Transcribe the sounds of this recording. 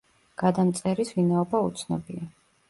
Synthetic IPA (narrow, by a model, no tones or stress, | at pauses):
ɡ̥ad̪amt̪sʼɛɾisvinaɔbaut̪sʰnɔ̰bia